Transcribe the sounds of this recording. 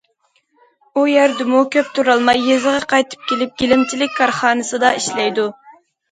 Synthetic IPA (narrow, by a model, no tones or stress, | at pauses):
ujæɾd̪ɪmukʲʰøpt̪ʰuɾɑlˠmɑjːezɨʁɑqʰɑjt̪ʰɨ̥p̚kʲʰelɪp̚ɡʲilɪmt͡ʃʰilɪkʲkʰːɑɾχɑːnɨsɨd̪ɑiʃlɛjd̪u